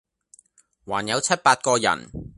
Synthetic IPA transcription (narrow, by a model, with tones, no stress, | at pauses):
waː˨˩njɐ˨˧wt͡sʰɐ˥t̚paː˧t̚kɔː˧jɐ̰˨˩n